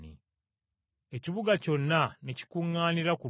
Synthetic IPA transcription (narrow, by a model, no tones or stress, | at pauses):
nḭ | eciβuɡaco̞nːaneci̥kuŋːaːniɾaku